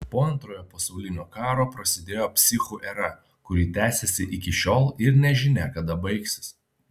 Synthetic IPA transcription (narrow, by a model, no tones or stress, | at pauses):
poːɐnt̪ɾoːjoːpɐsɐʊlʲɪnʲoːkɑːɾoːpɾɐsʲɪd̪ʲeːjoːpʲsʲɪxuʔɛɾɐ | kʊɾʲiːt̪ʲæːsʲɛsʲɪʔɪkʲɪʃʲoːlˠɪɾnʲɛʒʲɪnʲɛkɐd̪ɐbɐɪksʲɪ̥s